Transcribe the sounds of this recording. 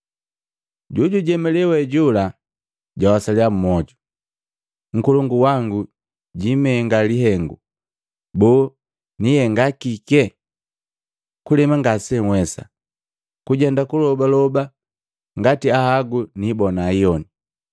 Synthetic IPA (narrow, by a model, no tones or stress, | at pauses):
ɟuɟuɟɛmɛlɛwɛɟula | ɟwawasaliam̩mɔɟu | ŋ̩kuluŋɡuwaŋɡu | ɟimɛŋɡaliɦɛŋɡu | bɔː | nijɛŋɡakikɛ | kulɛmaŋɡasɛŋwɛsa̰ | kuɟɛndakulɔbalɔba | ŋɡatiahaɡunibɔnaijɔni